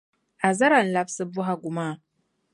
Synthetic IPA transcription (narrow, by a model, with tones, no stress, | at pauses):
a˨za˦ɾa˨n˨la˦fsɨ˦bu˦ɦa˨ɡʷu˨ma˦˨